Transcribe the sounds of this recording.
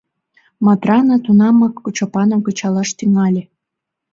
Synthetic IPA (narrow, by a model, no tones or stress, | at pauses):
mɑt̪rɑnɑt̪unɑmɑkːut͡ɕopɑnɑɡə̆t͡ɕɑlɑʃt̪yŋɑlʲe